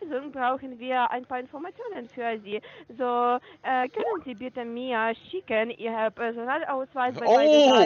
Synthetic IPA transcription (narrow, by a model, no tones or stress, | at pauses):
zʊŋbʁaʊxn̩viːɐʔa̰ɪnpaːɐɪnfɔɐmat͡sjoːnənfyːɐziːzoːʔɛkœnənziːbɪtəmeːɐʃɪkənʔɪhapʰɛɐzonaːlʔaʊsv̥aɪsbaa